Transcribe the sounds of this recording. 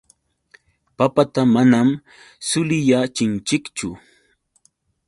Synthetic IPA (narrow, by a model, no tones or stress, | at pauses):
papat̪amanam | sʊlɪjat͡ʃɪnt͡ʃɪkt͡ʃʊ